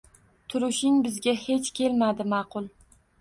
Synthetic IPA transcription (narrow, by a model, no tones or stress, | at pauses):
t̪ʰʊɾɪʃɪŋbɪzɡʲahe̞t͡ʃkʲʰe̞lmad̪ɪmɑqʰʊlˠ